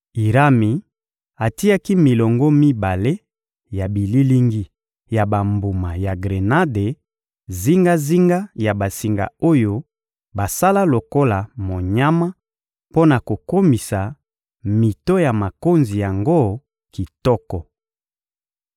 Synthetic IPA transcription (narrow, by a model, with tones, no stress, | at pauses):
i˨ʁa˦mi˨ | a˨ti˦a˦ki˦mi˨lɔ˨ŋɡɔ˦mi˦ba˨le˦ | ja˨bi˨li˦li˦ŋɡi˦ | ja˨ba˨mbu˨ma˨ja˨ɡʁe˨na˦de˨ | zi˦ŋɡa˦zi˦ŋɡa˦ja˨ba˨si˨ŋɡa̰˨o˦jo˦ | ba˨sa˦la˦lo˨ko˦la˨mo˨ɲa˦ma˦ | po˦na˨ko˨ko˦mi˨sa˨ | mi˨tɔ˦ja˨ma˨ko˦nzi˨ja˨ŋɡo˦ | ki˨tɔ˦kɔ˨